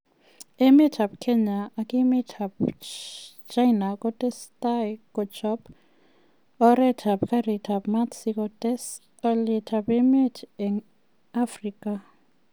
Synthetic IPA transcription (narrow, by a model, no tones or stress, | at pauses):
ɛmitʰab̚kʰɛɲaʔːkʼimitʰab | t͡ʃʰʼajnakʼɔtʼɛstʼakʼɔt͡ʃɔp | ɔɾɛtʰabkʰaritʰabmatsikɔtʼɛs | ɔlitʰabɛmitʰɛŋ | afriːkʼa